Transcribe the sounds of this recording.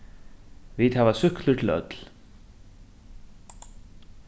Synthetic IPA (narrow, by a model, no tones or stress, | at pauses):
vit̪havasʏhklʏt̪ʰɪlœ̰t̪l̥